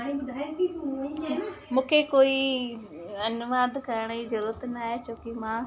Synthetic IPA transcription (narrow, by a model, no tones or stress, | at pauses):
aɾibʊd̪ʱaːet̪ʰiũoĩemũːkʰekoːi | ɐnʋaːd̪kɐɾəɽ̃izɐɾuːɾət̪naːɦet͡ɕoːkimãː